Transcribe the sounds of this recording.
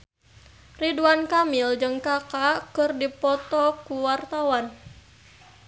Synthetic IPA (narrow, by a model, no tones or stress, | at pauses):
riduankamild͡ʒɨŋkakakɨrdipɔt̪ɔkuwart̪awan